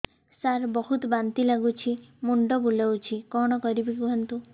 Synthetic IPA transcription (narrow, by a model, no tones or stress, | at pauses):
saɾbɔɦut̪bant̪ilaɡut͡ʃʰimuɳɖɔbulawt͡ʃʰikɔɽ̃ɔkɔɾibikuɦɔnt̪u